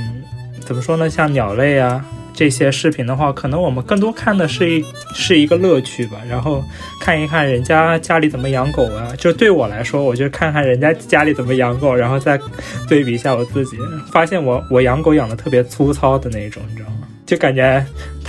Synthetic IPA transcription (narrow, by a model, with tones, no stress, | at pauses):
n̩˥˩ | t͡sə˨˩nmə˦ʂwɔ˥nə˨ɕjɑ˥˩ŋnjɑ˨˩ʊle˥˩ɪɐ˩ʈ͡ʂɤ˥˩ɕjɛ˥ʂɻ̩˥˩pʰi˧˩nd̪ə˧xwa˥˩kʰɤ˨˩nɤ˧˥ŋwɔ˨˩mə˦nkɤ˥˩ŋt̪wɔ˥kʰa˥˩nd̪ə˩ʂɻ̩˥˩˥ | ʂɻ̩˥˩i˧˥ɡə˧lɤ˥˧t͡ɕʰy˥˩bɐ˩ɻa˧˥nxo˥˧ʊ | kʰa˥˩ni˧˥kʰa˥˩nɻə˧˥nt͡ɕja˥t͡ɕja˥li˨˥˩t͡sə˨˩mə˦jɑ˧˥ŋko˨˩ʊ˦t͡ɕjo˥˧ʊʂɻ̩˥˩t̪we˥˩ɪwɔ˨˩la˧˥ɪʂwɔ˥wɔ˨˩t͡ɕo˥˧ʊʂɻ̩˥kʰa˥˧n˧kʰa˥˩nɻə˧˥nt͡ɕja˥t͡ɕja˥li˧˥t͡sə˨˩nmə˦jɑ˧˥ŋko˨˩˦ʊɻa˧˥nxo˥˧t͡sa˥˧ɪt̪we˥˩ɪpi˨˩˧ɕja˥˩wɔ˨˩t͡sɹ̩˥˩t͡ɕi˨˩˦fa˥ɕjɛ˥˩nwɔ˧˥wɔ˨˩jɑ˧˥ŋko˧˥ʊjɑ˨˩ŋd̪ə˦t̪ʰɤ˥˩pjɛ˧˥t͡sʰu˥t͡sʰɑ˥ʊd̪ə˨na˥˩ɪi˧˩ʈ͡ʂʊ̰˨˩˦ŋ˧˥˩ | t͡ɕjo˥˩ka˨˩nt͡ɕɥɛ˧˥